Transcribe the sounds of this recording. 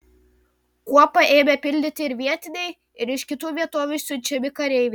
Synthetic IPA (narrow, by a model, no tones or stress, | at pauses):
kuɔpɐʔeːmʲɛpʲɪlʲd̪ʲɪt̪ʲɪɪɾʲʋʲiɛt̪ʲɪnʲɛɪ | ɪɾɪʃkʲɪt̪uːʋʲiɛt̪oːʋʲuʃsʲʊt͡ʃʲɛmʲɪkɐɾʲɛɪʋʲɛ